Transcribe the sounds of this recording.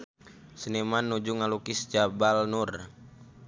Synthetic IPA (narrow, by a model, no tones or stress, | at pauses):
sənɛmanːud͡ʒuŋalukist͡ʃabalnur